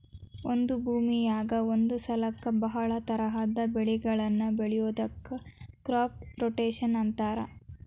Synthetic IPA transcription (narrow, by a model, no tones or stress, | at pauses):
ond̪ubʱuːmijaːɡɐond̪usɐlɐkːɐbɐɦɐɭɐt̪ɐɾɐɦaːd̪ɐbeɭiɡɐɭɐnːɐbeɭɛjoːd̪ɐkːɐkɾaːp̚ɾoʈeːʃɐnɐnt̪aːɾɐ̰